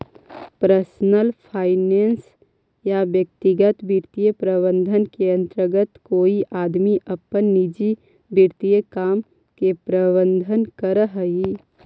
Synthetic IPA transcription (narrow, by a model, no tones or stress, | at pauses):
pɾəsnəlpʰaːɪneːns | jabjək̚t̪iɡət̪bʱiɾt̪ijəpɾəbə̃nd̪ʱənkeə̃nt̪ɾəɡət̪koːiʔaːd̪miʔəpːənːid͡ʒi | biɾt̪ijəkaːm | kepɾəbə̃nd̪ʱənkəɾəɦəi